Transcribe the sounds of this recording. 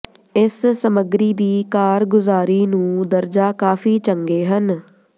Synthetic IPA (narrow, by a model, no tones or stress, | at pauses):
ɪsːəməɡɾiːd̪iːkaːɾɡʊzaːɾiːnũːd̪əɾd͡ʒaːkaːfʰiːt͡ʃəŋɡeːɦən